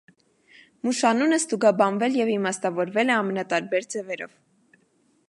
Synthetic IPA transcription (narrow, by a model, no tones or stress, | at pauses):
muʃɑnunəst̪uɡɑbɑnvɛljɛvimɑst̪ɑvɔɾvɛlɛɑmɛnɑt̪ɑɾbɛɾd͡zɛvɛɾɔ̰v̥